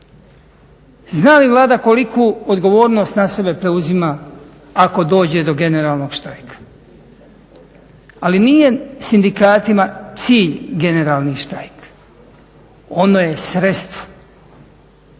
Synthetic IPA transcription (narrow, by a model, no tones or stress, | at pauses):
znaːliʋlˠaːd̪ako̞likʰuːod̪ɡo̞ʋo̞ːɾno̞ːst̪nasebe̞pɾe̞uzimaː | ako̞d̪o̞ːd͡ʑe̞d̪o̞ɡe̞ne̞ɾaːlˠno̞ɡ̥ʃt̪ajkḁ | alinije̞sind̪ikaːt̪imat̪siːʎɡe̞ne̞ɾaːlˠniʃt̪ajk | o̞noje̞sɾet̪st̪ʋo̥